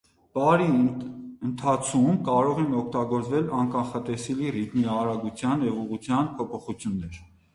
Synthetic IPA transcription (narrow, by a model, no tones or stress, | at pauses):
b̥ɑɾi | ənt̪ʰɑt͡sʰumkɑɾɔʁɛnɔkʰt̪ɑɡɔɾt͡svɛlɑnkɑnχɑt̪ɛsɛlirit̪miɑɾɑɡut͡sʰjɑnjɛvuʁut͡sʰjɑnpʰɔpʰɔχut͡sʰjunːɛɾ